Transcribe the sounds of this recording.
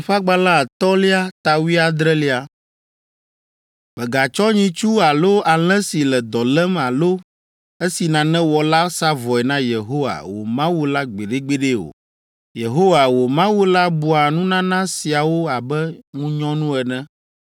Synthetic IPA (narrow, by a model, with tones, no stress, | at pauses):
ɸa˦ɡ͡ba˦la˦˨t̪ɔ˦li˦a˦t̪a˨wi˦a˨d̪ɾɛ˦li˦a˨ | bɛ˨ɡa˨t͡ʃɔ˦ɲĩ˦t͡ʃu˦a˨lo˦a˨l̃ɛ̃˦si˨lɛ˨d̪ɔ˨lɛ˦ma˨lo˦ | e˦si˨nã˨nɛ̃˦wɔ˨la˦sa˦vɔ˨ɛ˨nã˦je˨ɦo˦wa̰˨wo̰˨mã˦wu˦la˦ɡ͡be˨ɖe˦ɡ͡be˦ɖe˦o̰˨ | je˨ɦo˦wa˨wo˨mã˦wu˦la˦bu˨a˨nũ˦nã˦nã˦si˨a˨wo˦a˨bɛ˦ŋũ˦ɲɔ̃˦nũ˦ɛ˨nɛ̃˦